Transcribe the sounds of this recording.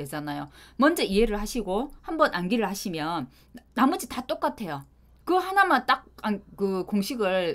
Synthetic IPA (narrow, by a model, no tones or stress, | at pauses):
ed͡ʑanajomʌnd͡ʑʌiɦeɾɯɭhaɕʰiɡohambʌnʔanɡiɾɯɭhaɕʰimjʌnː | amud͡ʑitat͈ok͈atʰe̞jo | kɯhanamat͈ak̚ankɯkoŋɕʰiɡɯɭ